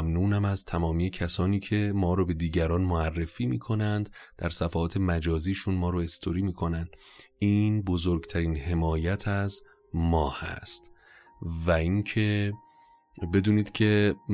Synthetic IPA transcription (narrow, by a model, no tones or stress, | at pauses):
mnuːnæmæzt̪ʰæmɒːmiːjecʰæsɒːniːcʰe̞mɒːɾobe̞d̪iːɟæɾɒːnmoærːe̞fiːmiːkʰo̞nænd̪ | d̪̥æɾsæfæɒːt̪ʰe̞mæd͡ʒɒːziːʃunmɒːɾoe̞st̪ʰoɾiːmiːkʰo̞nænd̪iːnbozoɾɡt̪ʰæɾiːnɦe̞mɒːjæt̪ʰæz | mɒːhæ̰st̪ | væiŋcʰe̞ | be̞d̪uːniːd̪̥cʰe̞